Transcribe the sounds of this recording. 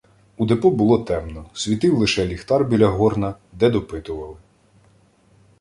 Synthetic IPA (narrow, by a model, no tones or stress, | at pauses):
ud̪epɔbʊlˠɔt̪ɛmnɔsʲʋʲit̪ɪwlˠɪʃɛlʲixt̪ɑrbʲilʲɐɦɔrnɐ | d̪ɛd̪ɔpɪt̪ʊʋɐlˠɪ